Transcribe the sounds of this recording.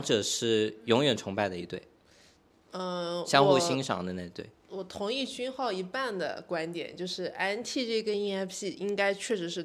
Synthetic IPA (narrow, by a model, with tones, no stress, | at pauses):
ʈ͡ʂɤ˨˩ʂɻ̩˥˩jʊ˧˥ŋjɥɛ˨˩nʈ͡ʂʰʊ˧˥ŋpa˥˩ɪd̪ə˩i˧˥t̪wḛ˥˩ɪ | ə˥˧ɕjɑ˥ŋxu˥˧ɕi˥ŋʂɑ̰˧˥ŋd̪ə˧ne˥˧t̪wḛ˥˩ɪwɔ˨˩t̪ʰʊ˧˥ŋi˥˩t͡ɕy˥nxɑ˥˩ʊi˧˥pa˥˩nd̪ə̰˩kwa˥nt̪jɛ̰˨˩˦nt͡ɕjo˥˧ʊʂɻ̩˥˩ʔa˥nt̪ʰi˥˧ʈ͡ʂɤ˥˩i˧˥ə˥i˥ɛ˥pʰɕi˥˩i˥ŋka˥ɪt͡ɕʰɥɛ˥˩ʂɻ̩˧˥ʂɻ̩˥˩